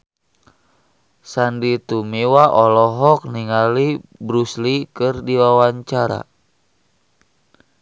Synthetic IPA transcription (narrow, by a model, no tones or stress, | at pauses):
sandit̪umewaʔɔlɔɦɔk̚niŋalibɾuslikɨrdiwawaɲt͡ʃaɾa̰